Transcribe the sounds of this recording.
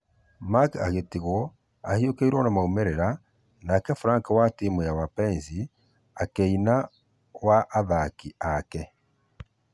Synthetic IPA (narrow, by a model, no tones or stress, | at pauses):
maka̰ɣetiɣo | ahiokeiɾwonamaumeɾeɾa | nakefuɾaːŋkawatimejawapeːnzi | akeina | waʔːðakiake